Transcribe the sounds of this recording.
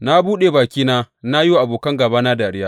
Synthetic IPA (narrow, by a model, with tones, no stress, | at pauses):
na˦buː˦ɗeː˨baː˨kʲiː˦naː˦na˦ju˦ʔa˨boː˨kɐ˦ŋɡɐ˨baː˦naː˦daː˨ɽɪ˦jaː˦